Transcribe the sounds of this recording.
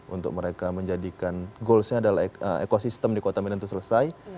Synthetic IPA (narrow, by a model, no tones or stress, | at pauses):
ʔṵnt̪ʊ̰k̚məɾekaməɲd͡ʒadikanɡolsɲaːdalaəḛkosist̪əmdikot̪aminant̪usələsaj